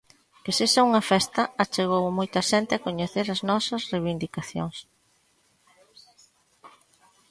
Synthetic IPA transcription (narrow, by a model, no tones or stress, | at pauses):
kesesauŋɐfɛst̪ɐat͡ʃeɣ̞owmojt̪ɐʃɛnt̪ɪakoɲeθeɾɐznɔsɐsreβind̪ikaθjo̰ŋs